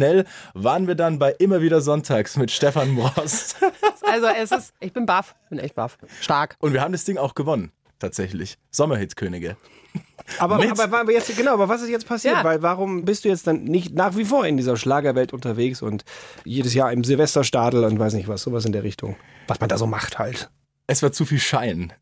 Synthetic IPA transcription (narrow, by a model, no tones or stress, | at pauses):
ʃnɛlvaːʁənviːɐdanbaɪʔɪmɐviːdɐzɔntʰaːksmɪtʃtɛfanmʁɔsʔalzoɛsɪsʔɪçb̥ɪnbafb̥ɪnʔɛ̰çt̚b̥a̰fʃtaɐkʊntviːɐhaːbm̩dasd̥ɪŋaʊxɡ̥əvɔnən | tʰaːtz̥ɛçlɪ̰ç | z̥ɔmɐhɪtkʰøːnɪɡə | aːbɐaːbɐvbɐjɛt͡sɡənaʊʔaːbɐvas̬ɪstjɛt͡st̚pʰasiːɐtvaɪlvaʁʊmbɪstd̥uːjɛt͡std̥annɪçtnaːχv̥ifoːɐɪndiːzɐʃlaːɡɐvɛltʊntɐveːksʊ̰ntjeːdəs̬jaːɐɪmzɪlvɛstɐʃtaːtl̩ʊntv̥aɪs̬nɪçtv̥asz̥oːvas̬ɪndeːɐʁɪçtʰʊ̰ŋvasmandaːzoːmaχtha̰lt | ʔɛsv̥aːɐt͡sufiːlʃaɪn